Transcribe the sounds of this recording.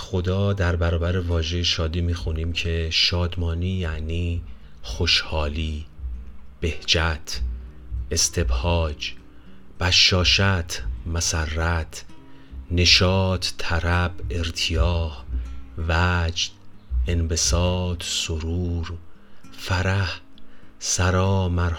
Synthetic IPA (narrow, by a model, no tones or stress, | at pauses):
xo̞d̪ɒːd̪æɾbæɾɒːbæɾevɒːʒe̞jʃɒːd̪iːmiːxuniːmcʰe̞ʃɒːd̪mɒːniːjæʔniː | xo̞ʃhɒːliː | b̥e̞hd͡ʒæt̪ʰ | e̞st̪ʰe̞bhɒːd͡ʒ | b̥æʃːɒːʃæt̪ʰmæsærːæt̪ʰ | ne̞ʃɒːt̪ʰːæɾæbe̞ɾt̪ʰijɒːhvæd͡ʒd̪̥enbe̞sɒːd̪̥soɾuːɾ | fæɾæh | sæɾɒːmæɾ